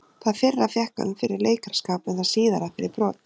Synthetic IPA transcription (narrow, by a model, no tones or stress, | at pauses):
θaðfɪrːafjɛhka̰nfɪɾɪɾleːjkaɾ̥skaːpnɛθaðsiːðaɾafɪɾɪɾpɾɔːt̪